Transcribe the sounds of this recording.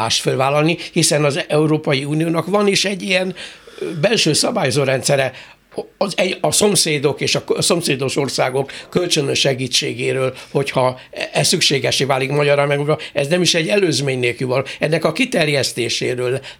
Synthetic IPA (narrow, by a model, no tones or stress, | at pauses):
aːʃt̪følvaːlːɒlnihisɛnɒzɛuɾoːpɒjiuːnijoːnɒkʋɒniʃɛɟːijɛnbɛlʃøːsɒbaːjozoːɾɛnt̪sɛɾɛ | zɛɒso̞mseːd̪o̞keːʃɒso̞mseːd̪o̞ʃo̞rsaːɡo̞kːølt͡ʃønøʃɛɡiːt͡ʃːeːɡeːɾøːlho̞chɒɛssykʃeːɡɛʃeːvaːlikmɒɟɒɾɒmɛɡuɾɒɛznɛmiʃɛɟːɛløːzmeːɲneːlkyvɒlːɛnːɛkɒkit̪ɛrjɛst̪eːʃeːɾøːl